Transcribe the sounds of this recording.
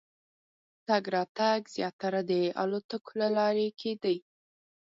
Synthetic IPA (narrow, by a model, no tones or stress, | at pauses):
t̪aɡɾɑt̪aɡz̥jɑt̪aɾad̪əa̰lot̪əkolalɑɾekʰed̪əj